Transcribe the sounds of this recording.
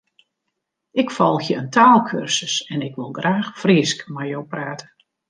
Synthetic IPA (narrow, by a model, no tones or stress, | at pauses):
ɪkfɔlˠxjəəntʰaːlˠkʰørsəsɛnɪkʋɪlˠɡraːxfriəskmajowpraːtə